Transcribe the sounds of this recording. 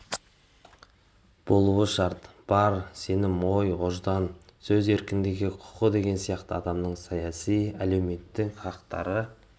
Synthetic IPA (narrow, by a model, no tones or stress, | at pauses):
b̥o̞lˠuəʃɑɾt̪b̥ɑɾse̞nɪmːo̞joʒd̪ɑnsɵze̞ɾkʲɪnd̪ɪɡʲɪqʰʊ̥qəd̪e̞ɡʲe̞nsijɑqt̪əɑd̪ɑmnəɴsɑjɑsijælewme̞t̪ːɪŋqʰɑqt̪ɑ̰ɾə